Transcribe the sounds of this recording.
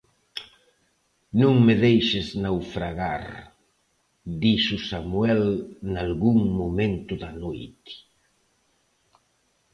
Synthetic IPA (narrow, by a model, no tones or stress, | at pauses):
nõŋmɪðejʃɪznawfɾaɣa̰ɾ | d̪isʊsamwɛlnalɣuŋmomẽnt̪ʊðanojt̪ɪ̥